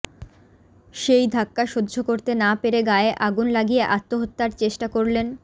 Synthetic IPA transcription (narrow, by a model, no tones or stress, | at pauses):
ʃejd̪ʱakːaʃod̪ːd͡ʑʱokoɾt̪enapeɾeɡaeʔaɡunlaɡijeʔat̪ːoɦot̪ːaɾt͡ɕeʃʈakoɾlen